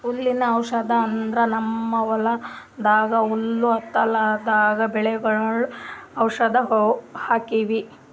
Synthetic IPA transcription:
ulːinɐːwʂɐd̪ɐːnd̪ɾɐnɐmːɐʋɐlɐd̪aːɡɐulːuɐt̪ːɐlɐd̪aːɡɐbɛɭɛɡɐɭɐɭuɐwʂɐd̪ɐɦhaːkiʋi

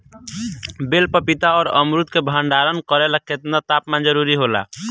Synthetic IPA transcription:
belpəpit̪aɔːɾə̰mɾut̪kebʱəɳɖaɾənkəɾeləkʰːet̪nat̪apmand͡ʒəɾuɾiɦola̰

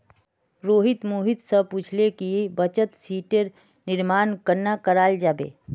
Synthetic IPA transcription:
ɾoːɦɪt̪moːɦɪt̪səpuːt͡ʃʰlekibət͡ʃət̪siːʈəɾ | nɪɾmaːnkəɾnakəɾaːld͡ʒaːbḛː

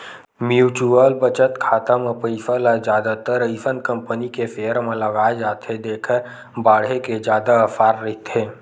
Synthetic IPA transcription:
mjuːt͡ʃuəlbət͡ʃət̪kʰaːt̪amẽpəɪsəlad͡ʒjaːd̪at̪əɾəɪsənkə̃mpənikefeːəɾmẽləɡaːed͡ʒaːt̪ed̪eːkʰəɾ | baːɽ̤ɦeked͡ʒjaːd̪aəfaːɾːɐɦit̪eː

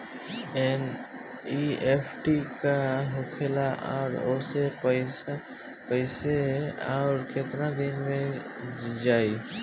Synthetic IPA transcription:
ɛn | iepʰʈikaɦʊkʰelaʔɔ̰ːɾoseəɪs | pəɪseɔːɾket̪ɾad̪ɪnmẽ | d͡ʒaːi

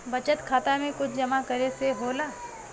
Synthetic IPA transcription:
bɐt͡ʃət̪kʰaːt̪amẽkʊt͡ʃʰd͡ʒɐmakɐɾeseɦoːlaː

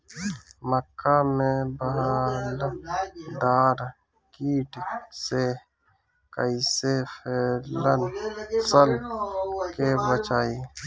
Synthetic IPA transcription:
məkːamẽbəɦal | d̪aːɾ | kiːʈse | kə̰isepʰeːlənsəl | kebət͡ʃaːi

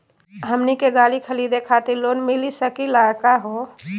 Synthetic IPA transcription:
ɦəmnikeɡalikʰəlid̪ekʰat̪iɾlonmilisəkilakaɦo

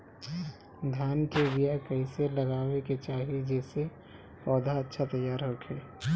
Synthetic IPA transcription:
d̪ʱjaːnkebijakɐɪselɐɣaːweket͡ʃaːɦied͡ʒɛːse | pɔːd̪ʱaɐtːʃʰat̪ɐjːaːɾɦokʰeː

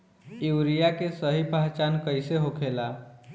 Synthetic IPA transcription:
iwɾijakesəɦipaɦt͡ʃankəjseɦokʰela

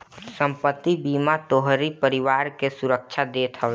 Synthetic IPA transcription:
sə̃mpət̪ːibiːmat̪oɦɾipəɾɪwaːɾkesʊɾək̚t͡ʃʰad̪eːt̪ʰəʋ

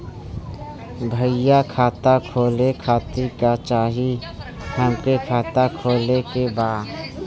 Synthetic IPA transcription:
bʱəɪjakʰaːt̪akʰoːlekʰaːt̪ikat͡ʃaːɦi | həmkekʰaːt̪akʰoːlekebaːd̪

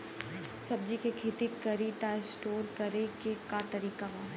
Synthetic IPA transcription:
sɐb̚d͡ʒikekʰeːt̪ikɐɾiʈasʈoːɾkɐɾekekat̪ɐɾiːkaʋa

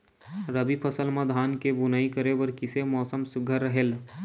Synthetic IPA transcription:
ɾəbipʰɐsəlmãd̪ʱaːnkebʊnaikəɾewɐɾkɪsemɔːsəmsʊɡʱəɾːəɦeːl

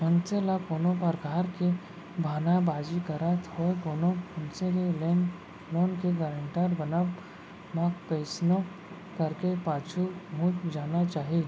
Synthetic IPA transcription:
ɦʊnselakoːnõpəɾɡʱaːɾke | bʱaːnabaːd͡ʒikəɾat̪ɦoːekoːnõʊnseleleːn | loːnkeɡəɾə̃ɳʈaɾbɐna | makpeːsno | kɐɾkepaːt͡ʃʰumũt͡ʃd͡ʒaːnat͡ʃaːɦe

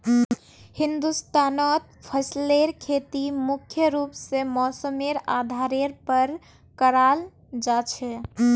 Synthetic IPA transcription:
hind̪ust̪anɔt̪pʰəsleɾkʰet̪imukʰjəɾupsemɔsəmeɾad̪ʱaɾeɾpəɾ | kəɾal | d͡ʒat͡ʃʰɛ

